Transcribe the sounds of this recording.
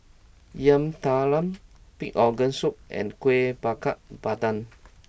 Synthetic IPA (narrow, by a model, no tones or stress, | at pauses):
jə̃mt̪alə̃mpik̚ɔɡə̃nsuk̚ɛ̰̃nkwebakaʔb̥atãn